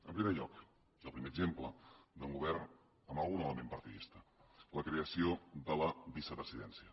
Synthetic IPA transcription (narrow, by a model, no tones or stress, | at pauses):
əmpɾimeʎɔk | zəlˠpɾimeəɡzempləd̪əŋɡuβɛrn | əmbəlˠɣunələmempəɾt̪iðist̪ələkɾeəsioðələβisəpɾəziðɛnsiə